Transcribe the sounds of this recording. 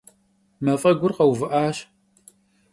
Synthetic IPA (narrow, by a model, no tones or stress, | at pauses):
mɐfʼɐɡʷʊrqɐwvɨʔaːɕ